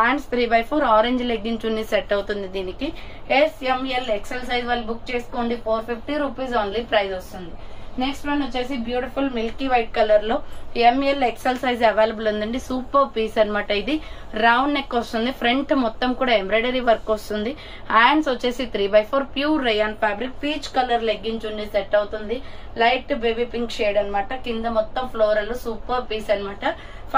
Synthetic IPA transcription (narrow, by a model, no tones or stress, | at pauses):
aːɳst̪ʰɾiːbɐjpʰoːɾaːɾeɲd͡ʒleɡiɲt͡ʃunːiseʈːɐwut̪und̪id̪iːniki | esemeleksɐls̬ɐjzʋaːlːibukt͡ʃe̞ːskoːɳɖipʰoːɾpʰipʰʈiɾuːpiːzaːnlipɾɐjzost̪und̪ineksʈmɐɳot͡ʃːe̞ːsibjuːʈipʰulmilkiʋɐjʈ̚kɐlɐɾlo̞ːemeleksɐlsɐjzɛʋeːlɐbulɐnd̪ɐɳɖisuːpɐɾpiːsɐnmɐʈːɐid̪iɾawɳɖːekːost̪und̪ipʰɾe̞ɳʈmɔt̪ːɐmkuːɽaːembɾɐɖɐɾiʋɐɾkːost̪und̪i | aːjɳsʋɐt͡ʃːe̞ːsit̪ʰɾiːbɐjpʰoːɾpjuːɾːejaːnpaːbɾik̚piːt͡ʃkɐlɐɾleɡːiɲt͡ʃuɳɖiseʈːɐwt̪und̪i | lɐjʈbebipiŋkʃeːɖɐnɐmaːʈɐkind̪ɐmɔt̪ːɐmpʰloːɾɐloːsuːpɐɾpiːsɐnimaːʈɐ